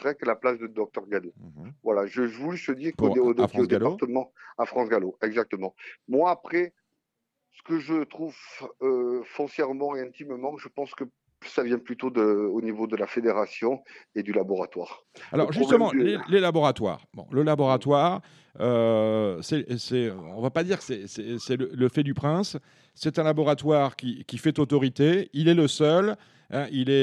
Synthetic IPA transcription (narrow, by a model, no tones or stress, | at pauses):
səʁɛkəlaplasd̪əd̪ɔk̚t̪œʁɡad̪ovwalaʒəvulysəd̪iʁkpuoʁeod̪afχɑ̃oɡ̪ealpaʁt̪əmɑ̃afχɑ̃sɡaloɛɡzak̚t̪əmɑ̃mwaːpχɛ | sə̥kəʒət̪χuvøfɔ̃sjɛʁmɑ̃eɛ̃t̪immɑ̃ʒəpɑ̃skə | savjɛ̃plyt̪od̪əonivod̪əlafed̪eʁasjɔ̃ed̪ylabɔʁat̪wa̰ːʁ | a̰lɔʁʒyst̪əmɑ̃lelelabɔʁat̪wa̰ːʁbɔ̰̃ləlabɔʁat̪waʁ | ø | sɛsɛɔ̰̃vapad̪iʁksɛsɛsɛlələfɛd̪ypχɛ̃sː | ɛt̪ɛ̃labɔʁat̪waʁkʲikʲifɛt̪ot̪ɔʁit̪eilɛləsœl | ɛ̃ʔilɛ